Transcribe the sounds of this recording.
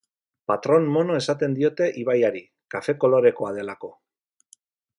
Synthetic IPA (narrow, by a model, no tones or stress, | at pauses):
pat̪ɾo̞nːo̞no̞e̞sat̪e̞nd̪io̞t̪e̞ʔiβajaɾi | kafe̞ko̞lo̞ɾe̞ko̞að̞e̞lako̞